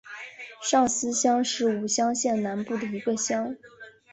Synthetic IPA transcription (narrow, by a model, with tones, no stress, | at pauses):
ʂɑ˥˩ŋsɹ̩˥ɕjɑ˥ŋʂɻ̩˥˩u˨˩ɕjɑ˥ŋɕjɛ˥˩nna˧˥npu˥˩d̪ə˩i˧˥ɡə˧ɕjɑ˥ŋ